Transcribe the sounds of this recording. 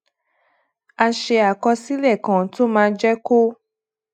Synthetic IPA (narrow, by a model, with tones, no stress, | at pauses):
a˧ʃe˧a˨kɔ˧si˦lɛ˦˨kã˨to˦mãː˧˦d͡ʒɛ˦ko˦